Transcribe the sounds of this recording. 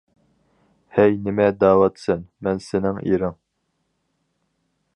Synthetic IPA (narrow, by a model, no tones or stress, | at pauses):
hɛjnɪmɛd̪ɑːwɑt̪sɛnmɛnsɪnɪŋḭɾɪŋ